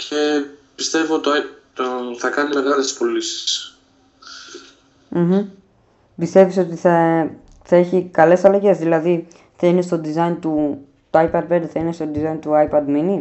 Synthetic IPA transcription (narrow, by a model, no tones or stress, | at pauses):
cʰe̞pist̪e̞vot̪ooθɐkɐnime̞ɣɐlest̪i̥spo̞lisi̥s | m̩hm̩ | bist̪e̞viso̞t̪iθɐ | θɐe̞çikɐle̞sɐlɐʝe̞zðilɐði | θɐine̞st̪o̞d̪izɐjnt̪u | t̪oɐjpɐd̪̚pe̞d̪eθɐinest̪o̞d̪izɐint̪uɐjpɐd̪mini